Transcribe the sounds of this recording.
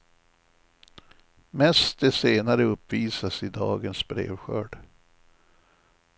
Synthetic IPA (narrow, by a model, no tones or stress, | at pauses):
mɛst̪̚d̪ɛseːnaɾəɵpːviːsasɪd̪ɑ̰ːɡənsbɾḛːvɧœ̰ːɖ